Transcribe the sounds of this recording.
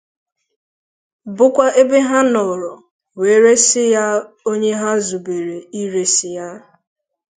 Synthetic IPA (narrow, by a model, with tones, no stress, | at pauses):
bʊ˦kʷa˦ʔe˦be˦ɦa˦nɔ˨ɾɔ˨ | we˨˦ɾe˦sɪ˦ja˦ | o˦ɲe˦ɦa˦zu˨be˨ɾe˨i˦ɾe˦sɪ˨ja˦